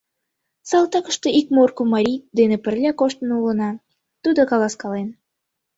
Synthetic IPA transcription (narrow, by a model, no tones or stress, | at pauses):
sɑlˠt̪ɑkə̥ʃt̪eikmorkomɑɾʲid̪enepə̆rlʲækoʃt̪ənulə̆nɑ | t̪ud̪okɑlɑskɑlen